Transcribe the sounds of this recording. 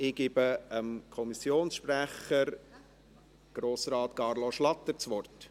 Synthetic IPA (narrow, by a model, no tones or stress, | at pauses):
ɪɡ̥ɪbəəmkʰɔmisjoːnsʃpræχəɾ | ɡ̥ɾoːsɾɑːtkɑɾloʃlɑt̪ːəɾt͡sʋɔrt